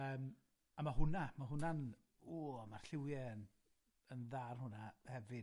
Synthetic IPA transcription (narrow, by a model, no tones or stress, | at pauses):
əːm | amaɦʊnamaɦʊnan | uːmarɬɪwjɛn | ənðarhʊnahɛvɨ